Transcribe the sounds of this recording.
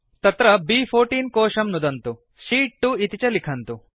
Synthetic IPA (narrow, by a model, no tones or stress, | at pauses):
t̪ɐt̪ɾɐbiːpʰoːɾʈiːnkɔːʂɐmnud̪ɐnt̪u | ʃiːʈːuit̪it͡ʃɐlikʰɐnt̪u